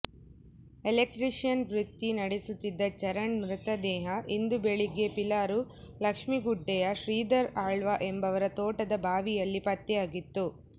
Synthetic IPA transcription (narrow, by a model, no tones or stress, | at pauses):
elek̚ʈɾiʂjɐnʋɾit̪ːinɐɽesut̪ːid̪ːɐt͡ʃɐɾɐɳmɾut̪ɐd̪ɛːɦɐʔind̪ubeɭiɡepilaːɾulɐkʂmiɡuɖːɛjɐʃɾiːd̪ɐɾaːɭʋaʔembɐʋɐɾɐt̪oːʈɐd̪ɐbʱaːʋijɐlːipɐt̪ːɛjaːɡit̪ːu